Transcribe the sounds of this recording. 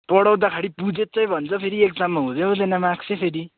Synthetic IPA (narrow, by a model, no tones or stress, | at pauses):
pʌɽawd̪akʰaɽipud͡zet̪̚t͡sʌj̃bʱʌnt͡sʰʌpʰeɾiek̚d͡zamːʌɦũd̪eɦod͡zʌnʌmaksʰepʰeɾi